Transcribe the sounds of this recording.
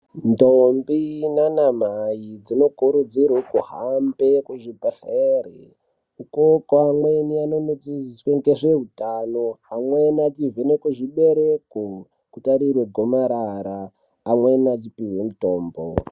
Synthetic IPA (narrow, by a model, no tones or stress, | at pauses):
ndombinanamajid͡zino̞kuɾud͡zirwokuhambekuʐibʱaɬaere | ukokoamwe̞nianonod͡zizisweŋɡeʐeɦutanoamwenad͡zivenekuʐiɓeɾeko | kutaɾirweɡʱo̞maɾaɾaː | mwenad͡zipiwemuto̞ːmbo̰